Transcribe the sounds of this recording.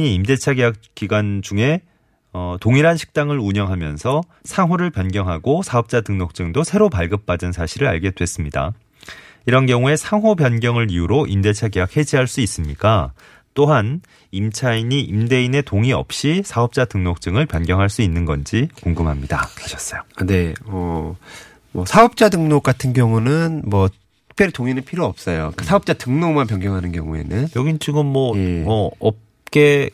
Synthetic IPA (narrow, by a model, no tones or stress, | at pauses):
iimde̞t͡ɕʰaɡejak̚k͈iɡwand͡ʑuŋe̞ | ʌtoŋiɾɦanɕʰi̥k̚t͈aŋɯɾuɲʌŋɦamjʌnsʰʌ | sʰaŋɦoɾɯɭpjʌnɡjʌŋɦaɡosʰaɦʌp̚t͡ɕ͈atɯŋnok̚t͡ɕ͈ɯŋdosʰe̞ɾopaɭɡɯp̚p͈adɯnsʰaɕʰiɾɯɾa̰ɭɡe̞dwe̞s͈ɯmɲida̰ | iɾʌnɡjʌŋue̞sʰaŋɦobjʌnɡjʌŋɯɾijuɾoʔimde̞t͡ɕʰaɡe̞jak̚he̞d͡ʑiɦaɭs͈uis͈ɯmɲik͈a | t͈oɦan | imt͡ɕʰainiʔimde̞ine̞toŋiʌ̰p̚ɕ͈isʰaʌp̚t͡ɕ͈atɯŋnok̚t͡ɕ͈ɯŋɯɭpjʌnɡjʌŋɦaɭs͈uinːɯnɡʌnd͡ʑikoŋɡɯmɦamɲidakaɕʰʌs͈ʌjone̞ʌ | mʌsʰaʌp̚t͡ɕ͈adɯŋnok͈atʰɯnɡjʌŋunɯnmwʌ | ɯk̚pʰjʌɾitoŋinɯnpʰiɾjoʌp̚s͈ʌjok͈asʰaʌp̚t͡ɕ͈atɯŋnomanpjʌnɡjʌŋɦanɯnɡjʌŋue̞̰nɯnjʌɡint͡ɕʰuɡɯmːwʌmʌʌp̚ | k͈e̞